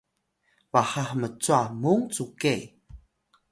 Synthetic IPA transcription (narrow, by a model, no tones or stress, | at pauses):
vaħaħmət͡suamuŋt͡sukej